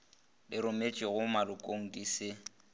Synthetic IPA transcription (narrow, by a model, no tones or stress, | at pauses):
lɪɾʊmet͡ʃʼɪɣʊmalʊkʼoŋ̩dʼiːsɪ